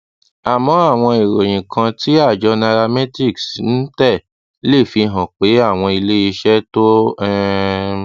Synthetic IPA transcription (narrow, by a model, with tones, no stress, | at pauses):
a˨mɔ̃˨˦a˦˨w̃ɔ̃˧i˨ɾo˨j̃ĩ˨kʰã˧ti˦a˦˨d͡ʒɔ˧na˧ɾa˧mɛ˦ti˦˨ksn̩˦tɛ˦˨ | le˦˨fi˧ɦã˨k͡pe˨˦a˦˨w̃ɔ̃˧i˧le˦i˧ʃɛ˦to˦ɛ˦